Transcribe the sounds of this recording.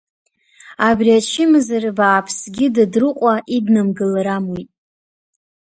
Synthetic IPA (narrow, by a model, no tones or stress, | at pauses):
abriat͡ʃʰɪmɨzarbaːpʰsɡʲɪdadrɨqʷʼaʔidnɨmɡɨlɾamujtʼ